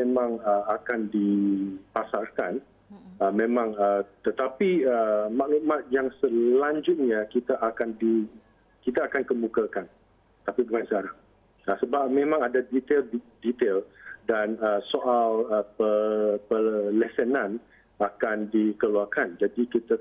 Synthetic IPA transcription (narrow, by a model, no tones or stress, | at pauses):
memãŋəakandipasarkan | əmẽmãŋət̪ət̪apiəmaʔlumat̪̚jaŋsəlaɲd͡ʒʊt̪̚ɲakit̪aʔakandi | kit̪aːkankəmukakan | ət̪apibəŋansəkaɾaŋ | asəbap̚mẽmãŋadadit̪eldit̪eldanəsoʔaləpəpəlɛsənãn | akandikəluakand͡ʒadikit̪a